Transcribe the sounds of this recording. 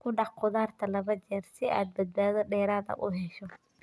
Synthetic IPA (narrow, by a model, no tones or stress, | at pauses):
kʰʊɖɑħqʊðaːrt̪ʰɐlɐβɐt͡ʃɛːrsɪa̰ːd̪̚bɐd̪̚baːðɔɖɛːɾaːðɐ̰ʔʊɦɛʃɔ